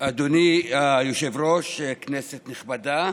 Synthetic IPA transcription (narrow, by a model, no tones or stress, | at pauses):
ad̪oniajoʃevɾoʃekneset̪niχbad̪a